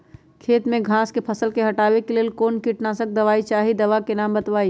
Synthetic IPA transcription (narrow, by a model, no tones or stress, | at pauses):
kʰeːt̪mẽɡʱãːskepʰɐsəlkeɦɐʈaːʋekeleːlkoːnkiʈnaːsək̚d̪ɐʋaːit͡ʃaːɦid̪ɐʋakenaːmbɐt̪ʋaːi